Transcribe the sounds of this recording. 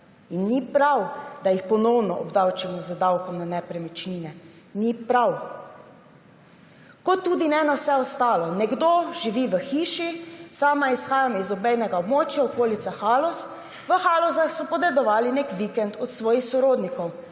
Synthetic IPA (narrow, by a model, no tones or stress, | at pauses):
inːipɾawd̪ajixpɔnɔwnɔɔbd̪awt͡ʃɛmɔzəd̪awkɔmnanɛpɾɛmɛt͡ʃniːnɛ | nipɾaw | kɔt̪ːuːd̪inɛnawsɛɔst̪aːlɔnɛɡd̪oʒiʋiʋəxiːʃisaːmaisxaːjamɔizɔbɛjnɛɡaɔbmoːt͡ʃjaɔkoːlit̪saxaːlɔs | ʋəxaːlɔzaxsɔpɔd̪ɛd̪ɔʋaːlinekʋikɛnt̪ɔt̪sʋɔːjixsɔɾoːd̪nikɔw